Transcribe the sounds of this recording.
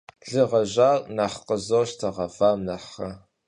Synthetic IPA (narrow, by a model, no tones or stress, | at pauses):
ɮɨʁɐʒaːrnaħqəzoʃtʰɐʁɐvaːmnaħɐ